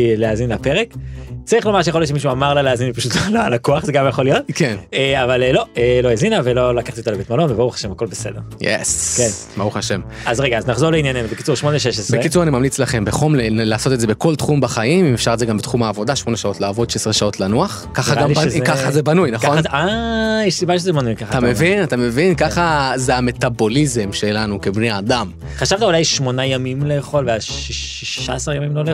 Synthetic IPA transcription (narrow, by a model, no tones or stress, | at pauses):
leazinlapeʁekt͡saʁiχlo̞maʁʃ̬ejaxoljoʃemiʃuamaʁlaleazinlipaʃut̪loloalakoaχzeɡamjaχo̞lijo̞t̪kʰeneavallo̞elo̞ezinave̞lo̞lakaχt̪iot̪alebetmalonvebauχḁʃe̞mhako̞lbese̞d̪eʁjḛskenbauχaʃem | azʁeɡaːznaχzo̞ʁleinjanimzeki̥t͡suʁʃmo̞neʃeʃ̬esbʁekit͡suʁanimamlit͡slaχe̞mbeχomlelaːso̞t̪ezebeko̞lt̪χumbaχaimiefʃaʁezeɡambet̪χumaːvo̞daʃmo̞neʃao̞tlaːvo̞d̪ʃesʁeʃao̞tlanuaχ | kaχaɡambkaχazebanujnaχkoajɛʃsibaʃezebanujkaχat̪amevinat̪ame̞vinkaχazeame̞tabo̞lizemʃe̞lanukebneaːd̪am | χaʃavt̪aulajʃmonajamimleːχo̞lveaiiʃaesaʁjamimlole